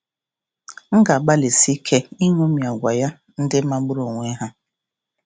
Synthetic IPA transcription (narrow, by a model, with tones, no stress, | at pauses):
ŋ̩˦ɡa˨ɡ͡ba˦le˨si˦kʰe˦i˦ŋu˦mi˨a˨ɡʷa˨ja˦ | n̩˦dɪ˦ma˦ɡ͡bʊ˦ɾo˨ŋʷe˦ɦa˦